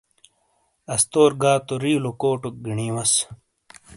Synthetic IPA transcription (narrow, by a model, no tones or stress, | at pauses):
ɐst̪oːɾɡaːt̪oɾiːlokoːʈok̚ɡiɳiːwɐs